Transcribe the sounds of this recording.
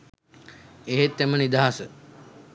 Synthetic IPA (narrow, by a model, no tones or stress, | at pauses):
eɦet̪ːemənid̪aɦasə